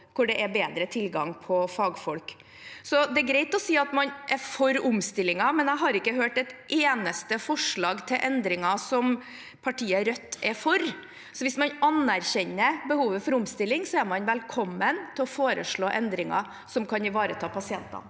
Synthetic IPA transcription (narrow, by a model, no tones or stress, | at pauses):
kʰʊɖɛʔɛbeːd̪ɾət̪ʰɪlɡɑŋpʰɔfɑːɡfɔlk | sɔd̪ɛæɾɡɾeɪt̪ɔsiːɑt̪mɑnʔɛɾfɔɾʊmst̪ɪlːɪŋɑmɛnæɪɦɑɾɪkːəɦøːʈɛt̪ʔeːnəst̪əfɔʂɭɑːɡt̪ʰɪlʔɛnd̪ɾɪŋɑsɔm | pʰɑʈʰiːəɾœt̪ːɛfɔɾ | sɔʋɪsmɑnʔɑnæɾçɛnːəbəhuːʋəfɔɾʊmst̪ɪlːɪŋsɔæɾmɑnʋɛlkʰɔmːənt̪ʰɪlɔfoːɾə̰ʂɭoːʔɛnd̪ɾɪŋɑ̰ | sɔmkʰɑnɪʋɑːɾət̪ʰɑːpʰɑsɪɛnt̪ɑ̰n